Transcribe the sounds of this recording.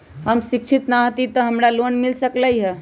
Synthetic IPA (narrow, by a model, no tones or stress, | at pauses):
ɦəmsik̚t͡ʃʰit̪naɦət̪it̪əɦəmɾalonmilsəkləiɦɛ